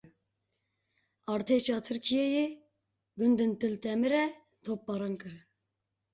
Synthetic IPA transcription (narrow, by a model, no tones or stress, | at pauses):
ɑɾt̪ʰeʃɑːt̪ʰɨɾkʲʰijeji | ɡund̪ɨnt̪ɨlt̪ʰɛmɨɾɛ | t̪ʰop̚ːɑɾɑnkɨɾ